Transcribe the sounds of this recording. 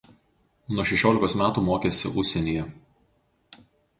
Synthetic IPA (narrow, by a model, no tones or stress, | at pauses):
nuɔʃʲɛʃʲoːlʲɪkoːsmʲæːt̪uːmoːkʲeːsʲɪ̰ʔʊʃʲsʲɛnʲiːjɛ